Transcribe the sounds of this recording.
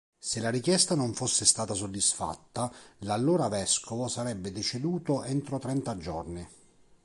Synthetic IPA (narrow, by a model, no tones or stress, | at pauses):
selːaɾikjɛst̪anoɱfosːɪst̪aːt̪asod̪ːisfa̰t̪ːalalːoːɾavɛskʰovosaɾɛbːed̪et͡ʃed̪uːt̪oʔɛnt̪ɾot̪ɾɛnt̪ad͡ʒɔrni